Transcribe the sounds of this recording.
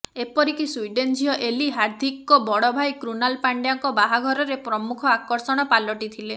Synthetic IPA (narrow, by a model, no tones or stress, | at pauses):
epɔɾikisujɖend͡ʒʱiɔʔeliɦaɾd̪ʱikɔbɔɽɔbʱajkɾunalpaɳɖjaŋkɔbaɦaɡʱɔɾɔɾepɾɔmukʰɔakɔɾsɔɽ̃ɔpalɔʈit̪ʰile